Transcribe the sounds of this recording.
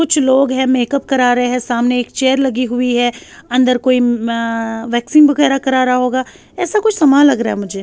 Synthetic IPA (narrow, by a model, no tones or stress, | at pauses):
kʊt͡ʃʰloːɡɦɛ̃meːkəp̚kɐɾaːɾɐɦeɦɛ̃saːmneːkt͡ʃeːəɾlɐɡiɦʊiɦɛːɐ̃nd̪əɾkoːi | ʋɛːksiːnbɐɣɛːɾakɐɾaːɾaaɦoːɡaː | ɛːsakʊt͡ʃʰsɐmaːlːɐɡɾaːɦɛ̰mʊd͡ʒʱeː